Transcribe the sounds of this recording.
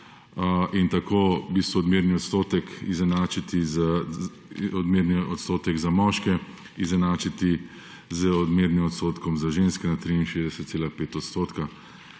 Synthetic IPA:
int̪akoːbist̪ʋɔd̪miɾniɔt̪st̪oːt̪ɛkizɛnaːt͡ʃit̪iz | ɔd̪miɾniʔɔt̪st̪oːt̪ɛɡzamɔʃkɛ | izɛnaːt͡ʃit̪i | zəɔd̪meɾnimɔt̪st̪oːt̪kɔmzaʒenskɛnat̪ɾiinʃeːzd̪ɛsɛt̪seːlapeːt̪ɔt̪st̪oːt̪ka

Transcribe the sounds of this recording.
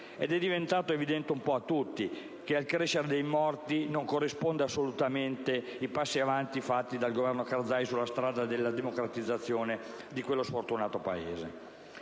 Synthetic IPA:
ed̪ɛd̪ːivent̪aːt̪oevid̪ɛnt̪eumpɔat̪ːut̪ːi | kealkɾeʃːeɾed̪ejmɔrt̪inoŋkorːispond̪easːolut̪ament̪eipasːiavant̪ifat̪ːid̪alɡovɛrnokard̪zajsulːast̪ɾaːd̪ad̪elːad̪emokɾat̪id̪zːat̪sːjoːne | d̪ikwelːosfort̪unaːt̪opaḛːze

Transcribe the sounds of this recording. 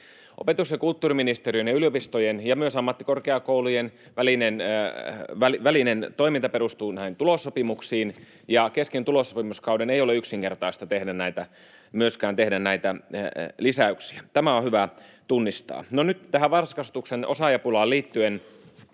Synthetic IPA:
ʔopet̪usjɑkult̪ːuːriminist̪erijønjɑyliopist̪ojenjɑmyøsɑmːɑt̪ːikorkeɑkoulujen | ʋælinen | ʋæliʋælinent̪oimint̪ɑperust̪uːnæihint̪ulosːopimuksiːn | jɑkeskent̪ulosːopimuskɑwdeneijoleyksiŋkert̪ɑist̪ɑt̪ehdænnæit̪æ | myøskæːnt̪ehdænnæit̪ælisæyksiæt̪æmæohyʋæt̪unːist̪ɑ̰ːnonyt̪t̪æhæʋʋɑrskɑst̪uksenosɑjɑpulɑːliːt̪ːyen

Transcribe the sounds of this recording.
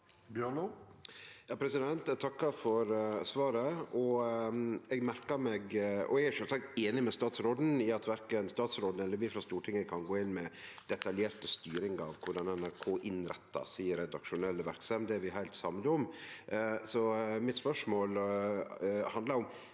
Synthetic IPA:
bjøːno | jɑːpʰɾɛsɪd̪ɛnt̪ɛt̪ʰɑkːɑfɔɾsʋɑːɾəɔ | ɛɡmæɾkɑmɛɡɔ̰ɛɡæʂɛlsɑk̚t̪eːnɪmɛst̪ɑːt̪sɾoːd̪n̩ɪɑt̪ʰʋæɾkənst̪ɑːt̪sɾoːd̪n̩ɛlːəɾʋɪfɾɑst̪uːʈʰɪŋːəkʰɑnɡoːɪnmɛd̪̥ɛt̪ɑljeːɾt̪əst̪yːɾɪŋɑ̰ʋkʰʊɖɑnɛnæɾkʰoːʔɪnɾɛ̰t̪ːɑ̰siːəɾɛd̪ɑkʃʊnɛlːəʋæɾksɑmd̪ɛːɾʋɪɦæɪlt̪sɑmd̪əɔm | sɔmɪt̪spœʂmoːl | hɑnd̪lɑɾʊm

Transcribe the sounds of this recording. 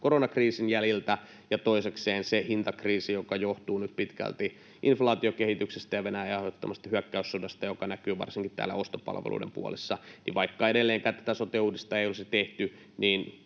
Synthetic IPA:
koronɑkriːsinjælilt̪æ | jɑt̪oisekseːnsehint̪ɑkriːsijokɑjoht̪uːnyt̪pit̪kæ̰lt̪i | ʔinflɑːt̪iokehit̪yksest̪æjɑʋenæjæɑhot̪ːɑmɑst̪ɑhyækːæysːudɑst̪ɑjokɑnækyːʋɑ̰rsiŋkit̪t̪æ̰ːlːæ̰ost̪opɑ̰lʋḛlʔṵdḛmpṵo̰lḛsːɑnḭʋɑikːɑeɾelːeːŋkæːt̪æ̥t̪æsot̪euːdist̪ɑejolset̪eht̪y | niːn

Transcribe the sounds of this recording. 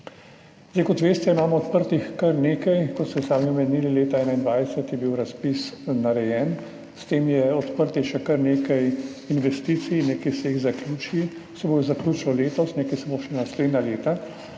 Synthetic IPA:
zejkɔt̪ʋeːst̪ɛimaːmɔɔt̪pəɾt̪ixkɐɾneːkajkɔt̪st̪ɛsaːmiɔmɛnilileːt̪aɛːnaind̪ʋajsɛt̪jɛbiwɾaspisnaɾɛjɛːn | st̪eːmjɛɔt̪pəɾt̪ixʃɛkɐɾneːkajinʋɛst̪iːt̪sijnneːkɛjsɛjiɣzakljuːt͡ʃii | sɛbojzaklʲjuːt͡ʃnɔleːt̪ɔsneːkɛjsɛboʃɛnasleːd̪naleːt̪a

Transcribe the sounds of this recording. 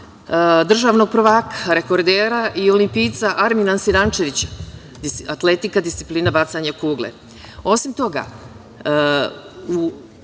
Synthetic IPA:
d̪r̩ʒaːʋno̞ɡ̚pr̩ʋaːkaɾe̞ko̞ɾd̪eːɾaʔio̞limpiːt̪saʔaɾminansiɾant͡ʃe̞ʋit͡ɕa | d̪iat̪le̞t̪ikad̪ist̪si̥pliːnabat̪saɲakuːɡlḛ | o̞simt̪o̞ɡa̰ | u

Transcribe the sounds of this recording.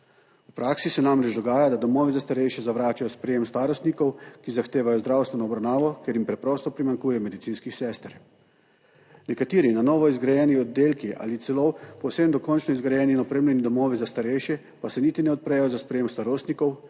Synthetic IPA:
upɾaːksisɛnamɾɛt͡ʃd̪ɔɡaːjad̪ad̪ɔmɔːʋizast̪aɾɛjʃjɛzaʋɾaːt͡ʃajɔspɾɛjemst̪aːɾɔst̪nikɔwkizaxt̪eːʋajɔzd̪ɾaːwst̪ʋɛnɔːbɾawnaːʋɔkeɾjimpɾɛpɾɔːst̪ɔpɾimaŋkuːjɛɔmɛd̪it̪iːnskixsɛst̪ɾ | nɛkat̪iːɾinanɔːʋɔizɡɾajɛniɔd̪ːeːlkiʔa̰lit̪sɛlopɔwsemd̪ɔkɔnt͡ʃnɔizɡɾajɛːninɔpɾemlʲɛnid̪ɔmɔːʋizast̪aɾɛjʃjɛ | pasɛniːt̪inɛɔt̪̚pɾɛjɔzaspɾɛjemst̪aɾoːst̪nikɔw

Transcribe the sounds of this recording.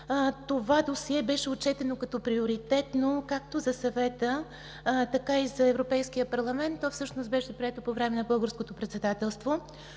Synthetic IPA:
t̪ovad̪osiɛbɛʃɛot̪̚t͡ʃɛt̪ɛnokɐt̪ɔpɾioɾit̪ɛt̪nokak̚t̪ozɐsɐvɛt̪ə | t̪ɐkaizɐɛvɾopɛjsk̟ijəpɐɾlˠɐmɛnt̪ːɔfsɤʃnost̪bɛʃɛpɾiɛt̪opovɾɛmɛnɐbɤlˠɡəɾskot̪opɾɛt̪sɛd̪at̪ɛlˠst̪vo

